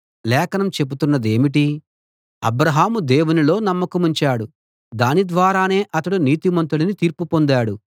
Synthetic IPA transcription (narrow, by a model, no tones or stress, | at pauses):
lɛːkɐnɐmt͡ʃe̞but̪unːɐd̪e̞ːmiʈ̬i | ɐ̰bɾɐɦaːmud̪e̞ːwunilo̞ːnɐmːɐkɐmuɲt͡ʃaːɽu | d̪aːnid̪ʋaːɾaːne̞ːʔɐt̪ɐɽuniːt̪imɐnt̪ulɐnit̪iːɾpupo̞nd̪aːɽu